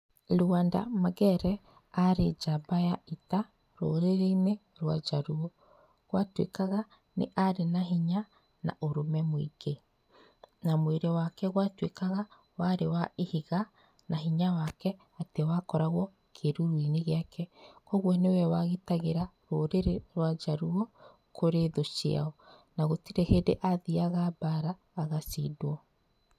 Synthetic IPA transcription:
luanda̰maɣɛɾɛ | aɾed͡ʒabajaita | ɾo̰ɾeɾene | ɾwad͡ʒaɾuo | ɣwatwḛkaɣa | nḛʔaɾenaɦiɲa | na̰ʔoɾomɛmwḭke | namweɾewakɛɣwatwekaɣa | waɾewaehiɣa | naɦiɲawakɛ | atewakɔɾaɣwɔ | kʰeɾuɾwineɣeakʰɛkɔɣwɔnewɛwaɣetaɣeɾaɾoɾeɾeɾwad͡ʒaɾuɔ | kʰoɾeðosia̰ɔ | naɣotiɾehedeʔaðiaɣabaɾaː | ɣasḭdwɔ

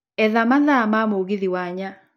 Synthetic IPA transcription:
ɛðamaðamamoɣiðiwaɲa

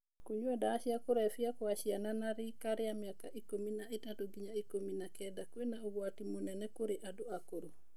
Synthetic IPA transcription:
kuɲwɛdaːʃiakoɾɛfiakwaʃiananaɾikaɾɪamjakaʔikominaitatoɡiɲaikominakɛdakwenaoɡwatimonɛnɛkoɾeʔadoakoɾo

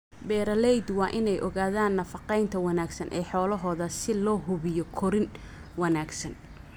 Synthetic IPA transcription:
bɛːɾɐlɛjd̪wɑːʔɪnɛjʔɔɣaːðaːnːɐfɑqɛjnt̪ʰɐwɐnaːɡsɐnʔɛːħɔːlɐɦɔːðɐsɪlɔːɦʊβɪjɔkʰɔɾɪn | wɐnaːɡsɐn

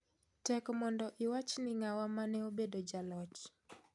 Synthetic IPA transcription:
tɛkmɔndɔʔɪwat͡ʃnɪŋawamanɛobedod͡ʒalɔt͡ʃ

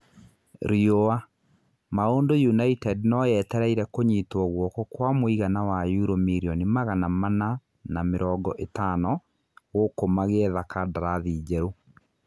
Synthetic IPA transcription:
ɾioa | maoːndojunaitɛdnɔjɛtɛɾaiɾɛkoɲitwɔɣwɔkɔkwamoiɣanawajuɾomiɾiɔnimaɣanamana | nameɾɔːɡɔʔetanɔ | ɣokomaɣeɛðakadaɾaðiːd͡ʒɛɾo

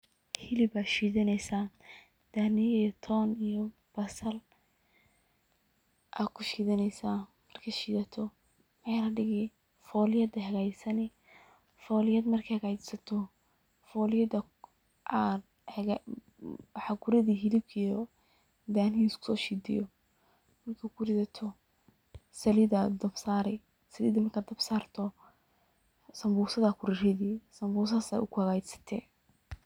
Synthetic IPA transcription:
hɪlɪbaːʃiːðɪnɛjsaː | d̪̥aːnɪijt̪ʰɔːnijɔ | b̥ɐsɐl | ʔa̰ːkʰʊʃiːðɐnɛjsaːmɐrkʰɐʃiːðɐt̪ʰɔ | waɾɐɖɪɣɪ | fɔːlɪjɐd̪ɐɦɐɣaːjsɐnɛ | fɔːlɪjɐd̪mɐrkʰɐhɐɣaːt͡ʃsɐt̪ʰɔ | fɔːlɪjɐd̪ɐ | ʔad̪ | h | wħɑɡʊɾɐðiːɦɪlɪb̚kʰijɔ | d̪aːnɪiːskʰʊ̥sɔːʃiːd̪ɪ̰jɔ | mɐrkʰɐkʰʊɾɪsɐt̪ʰɔ | sɐlɪðɐd̪ɐbsaːɾɛ | sɐlɪðɐmɐrkʰaːd̪ɐbsaːrt̪ʰɔ | sɐmbuːsɐðɐkʰʊɾɪrɪðiːsɐmbuːs̬aːsa̰ːʊkʰʊhɐɣaːt͡ʃɪ̥sɐ̥t̪ʰɛ

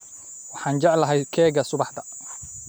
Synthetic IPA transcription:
wɑħɑːnd͡ʒɑʕlɐɦɛjkʰɛːɣɐsʊbɑħd̪ɐ

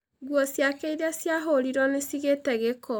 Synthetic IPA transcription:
ɣwɔsjakeiðasjaɦoɾiɾɔnesiɣetɛɣekɔ

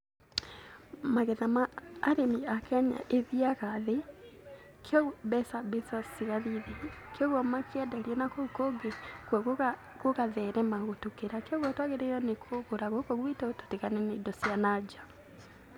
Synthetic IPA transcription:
maɣɛðamaːɾemiakɛɲa̰ʔeðiaɣaðe | kʰeɔɣbɛsabɛsasiɣaðiðekeɔɣɔmakeɛdaɾiɛnakokoɡekwɛɣ | koɣaðɛɾɛmaɣotukeɾakeɔɣɔtwaɣeɾeiɾɔnekʰoɣoɾaɣokoɣwitɛoto̥teɣanɛneidɔsianad͡ʒa

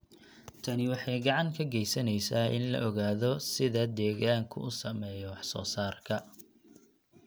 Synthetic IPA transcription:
t̪ʰɐnɪwɑħɑjɡɑʕɑŋkʰɐɡɛjsɐnɛjsaːɪ̰nlɐ̰ʔɔɣaːðɔsɪðɐd̪ɛːɣaːŋkʰʊ̰ʊsɐmɛːjɔwɑħsɔ̰ːsaːrkʰɐ

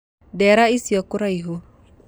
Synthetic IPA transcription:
dɛɾaisiɔkʊɾaiɦo

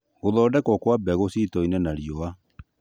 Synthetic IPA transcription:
ɣoðɔːdɛkɔkwabɛɣositɔinɛnaɾiɔa

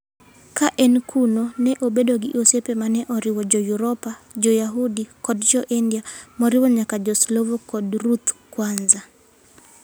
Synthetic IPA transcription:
kaʔɛnkʰunonɛʔobedoɡɪʔosepemanɛʔɔɾɪwɔd͡ʒɔjuɾɔpad͡ʒɔjaɦudikɔdd͡ʒɔʔindiamɔɾɪwɔɲakad͡ʒɔslovɔkɔdɾut̪kwanza

